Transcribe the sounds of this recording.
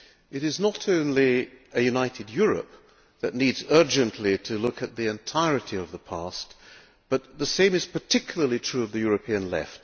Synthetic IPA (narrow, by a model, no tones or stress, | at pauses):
ɨɾɨznəɾõʊ̃nliɨjʉnaɪɾɨdjʊɹɨ̰p̚ | ðɨtⁿnidzɜ˞d͡ʒɨ̃nʔliɾɨlʊkɨt̪̚ðiɨ̃ntʰaɪɹɨɾiʌvðəpʰæst | b̥ʌt̪̚ðəsẽɪ̃mɨz̥pʰə˞tʰɪkʰjl̩ˠə˞lˠitʰɹ̥ʉʌvðɨjʊɹɨpʰiɨ̃nlɛ̰ft̚